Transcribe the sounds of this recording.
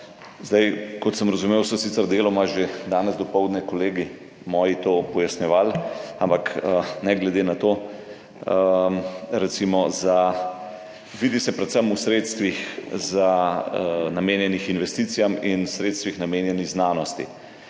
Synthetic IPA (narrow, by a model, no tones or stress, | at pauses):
zd̪ajkɔt̪səmɾɐzumeːwsɔsiːt̪ɛɾd̪eːlɔmaʒed̪aːnɛzd̪ɔpɔwd̪nɛkɔleːɡi | mɔːjit̪oːpɔjasnjɛʋaːlampakənɛɡlɛd̪enat̪oː | ə | ɾɛt̪simɔza | ʋid̪isɛpɾɛt̪səmusɾeːt̪st̪ʋixza | nameːnjɛnixinʋɛst̪iːt̪sijaminsɾeːt̪st̪ʋixnameːnjɛniɣznaːnɔst̪ḭ